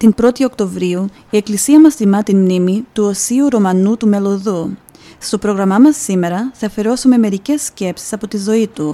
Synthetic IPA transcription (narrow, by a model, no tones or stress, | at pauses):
t̪inpɾo̞t̪io̞kt̪o̞vɾiu | ie̞klisiɐmɐst̪imɐt̪inmnimit̪uo̞siuɾo̞mɐnut̪ume̞lo̞ðu | st̪o̞pɾo̞ɣɾɐmɐmɐsːime̞ɾɐθɐfe̞ɾo̞sume̞me̞ɾice̞sːce̞psi̥sɐpo̞t̪izo̞it̪u